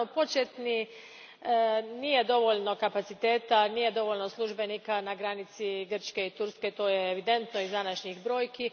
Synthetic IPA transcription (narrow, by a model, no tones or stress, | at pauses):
opo̞t͡ʃjet̪ni | niːje̞d̪o̞ʋo̞ʎno̞kapat̪sit̪e̞ːt̪aniːje̞d̪o̞ʋo̞ʎnoslˠuʒbe̞nikanaɡɾanit̪siɡr̩t͡ʃkeit̪uɾske̞t̪o̞ːjeːʋid̪e̞nt̪no̞izd̪anaʃɲiɣbɾo̞ːjki